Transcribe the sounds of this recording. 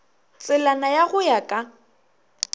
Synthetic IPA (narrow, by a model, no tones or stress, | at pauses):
t͡sʼɪlanajaɣʊjakʼa